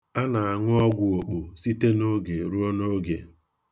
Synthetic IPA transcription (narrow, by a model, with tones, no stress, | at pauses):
a˦na˨a˨ŋʷʊ˦ɔ˦ɡʷʊ˨o˨k͡po˨si˦te˦no˦ɡe˨ɾu˦o˦no˦ɡḛ˨